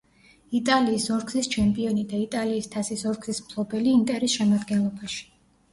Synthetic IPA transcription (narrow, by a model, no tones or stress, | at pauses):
it̪ʼaliːsɔɾɡzist͡ʃʰɛmpʼiɔnid̪ait̪ʼaliːst̪ʰasisɔɾɡzismpʰlˠɔbɛliːnt̪ʼɛɾɛsʃɛmad̪ɡɛnlˠɔbaʃi̥